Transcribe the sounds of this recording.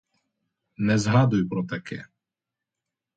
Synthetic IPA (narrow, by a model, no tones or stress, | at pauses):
nɛzɦɑd̪ʊjʊpɾɔt̪ɐkʰɛ̰